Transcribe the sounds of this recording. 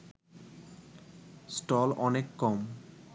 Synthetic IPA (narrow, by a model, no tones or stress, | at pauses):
sʈɔlɔnekːɔm